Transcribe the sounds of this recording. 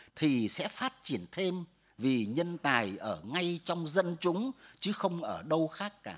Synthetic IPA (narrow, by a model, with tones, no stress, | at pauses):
t̪ʰi˨˩sɛ̰˧˥faː˦˥t̚t͡ɕi˧˩ənt̪ʰe˧m | vi˨˩ɲə˧nt̪aː˨˩jʔəː˧˩ŋa˧jt͡ɕɔ˧wŋ͡mzə˧nt͡ɕʊ˨˦ŋ͡mt͡ɕɨ˨˦xə˧wŋ͡mʔəː˧˩ɗə˧wxaː˦˥kːaː˧˩